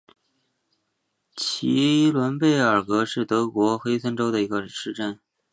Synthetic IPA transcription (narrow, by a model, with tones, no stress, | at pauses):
t͡ɕʰi˧˥lwə˧˥npe˥˩ɪə˞˨˩kɤ˧˥ʂɻ̩˥˩t̪ɤ˧˥kwɔ˧˥xe˥ɪsʰə˥nʈ͡ʂo˥d̪ə˨i˧˥ɡə˧ʂɻ̩˥˧ʈ͡ʂə˥˩n